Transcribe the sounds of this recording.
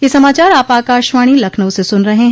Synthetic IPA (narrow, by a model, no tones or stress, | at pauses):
jesɐmaːt͡ʃaːɾaːpaːkaːʃʋaːɽ̃ilɐkʰnəʋsesʊnɾɐɦẽɦ